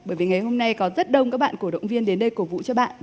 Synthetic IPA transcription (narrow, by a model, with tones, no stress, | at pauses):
ɓəː˧˩jvi˨˩ŋa˨˩jɦo˧mna˧jkɔ˨˦zə˦˥t̚ɗə˧wŋ͡mkaː˦˥k̚ɓa̰ː˧˨nku˧˩ɗə̰˧˨wŋ͡mvi˧ənɗe˨˦nɗə˧jko˨˩vṵ˧˨t͡ɕɔ˧ɓa̰ː˧˨n